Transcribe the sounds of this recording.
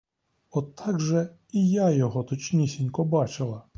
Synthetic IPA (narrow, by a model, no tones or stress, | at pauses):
ɔt̪ʰːɑɡʒɛ | ijajɔɦɔt̪ɔt͡ʃnʲisʲinʲkɔbɑt͡ʃɪlˠɐ